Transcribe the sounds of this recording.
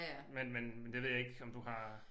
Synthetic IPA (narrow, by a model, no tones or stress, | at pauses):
menmenmend̥eʋe̝ð̰ˠjɑe̝ɡ̥ɒ̽md̥uhɑ̈